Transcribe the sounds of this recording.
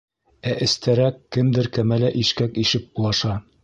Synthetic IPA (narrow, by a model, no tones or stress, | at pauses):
æʔɘ̆st̪ʰæɾækːɘmd̪ɘɾkæmælæʔiʃkækiʃɘp̚bulˠɑʃɑ